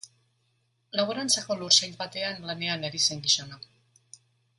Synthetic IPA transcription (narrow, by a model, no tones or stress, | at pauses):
laβoɾant͡sako̞luɾsaʎbat̪e̞anlane̞aneɾise̞ŋɡisona